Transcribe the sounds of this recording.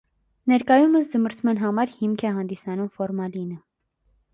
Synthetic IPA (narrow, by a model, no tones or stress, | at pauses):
nɛɾkɑjuməsd͡zəməɾt͡sʰmɑnɦɑmɑɾhimkʰɛɦɑnd̪isɑnumfɔɾmɑlinə